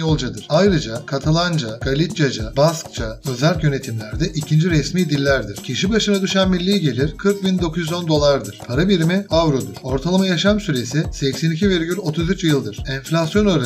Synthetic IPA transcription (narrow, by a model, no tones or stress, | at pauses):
jolˠd͡ʒad̪ɯɾ̥ajɾɯd͡ʒakʰat̪ʰalˠand͡ʒaɡ̥alʲit̪d͡ʒad͡ʒabask̚t͡ʃʰaø̞zælʲcjø̞ne̞t̪ʰimlʲæɾd̪ɛʔicʰind͡ʒiɾɛsmiːd̪ilʲːæɾd̪iɾ̥cʰiʃibaʃɯnad̪uʃanmilʲːijiɟe̞lʲiɾkʰɯɾk̚bind̪o̞kʰuzyzo̞nd̪o̞lˠaɾd̪ɯɾ̥pʰaɾabiɾimiavɾo̞d̪uɾ̥o̞ɾt̪ʰalˠamajaʃamsyɾe̞sisɛcsɛnicʰiveɾɟʲylʲo̞t̪ʰuzyt͡ʃjɯlˠd̪ɯɾ̥ɛnflʲasjo̞noɾa